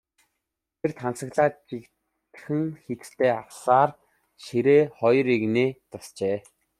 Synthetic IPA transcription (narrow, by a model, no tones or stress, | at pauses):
t̪ʰert̪ʰant͡sə̆ɣɮaːt͡ɕik̪ | xɘ̆ŋxet̪ɘ̥̆t̪ʰeːawsaːr | ʃiɾeːχɔjɞriɣneːt͡s̪ʊst͡ɕeː